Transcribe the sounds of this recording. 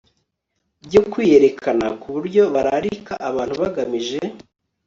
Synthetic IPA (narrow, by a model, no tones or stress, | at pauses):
bɟo̞kwiːjeɾe̞kʰanakuβuɾɟo̞βaɾaɾikaʔaβaːn̥huβaɡamiʒe